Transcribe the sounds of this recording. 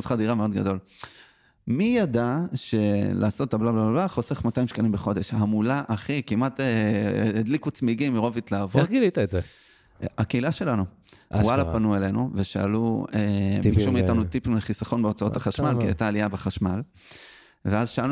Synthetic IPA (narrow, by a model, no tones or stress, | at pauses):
zχadiʁameo̞d̪ɡado̞l | mijadaʃe̞la̰ːso̞t̪ːablablablablaχo̞se̞χmataimʃkanimbeχo̞d̪e̞ʃhamulaʔaχikimʔateeːd̪likut͡smiɡimiʁo̞vit̪laːvoɡilit̪aeze | akeilaʃe̞lanuwalapanuele̞nuveʃaaluebikʃumiːt̪anut̪ipimleχisaχo̞nbeot͡saotaχaʃmalkia̰jtaːliabeχaʃmal | veazʃaal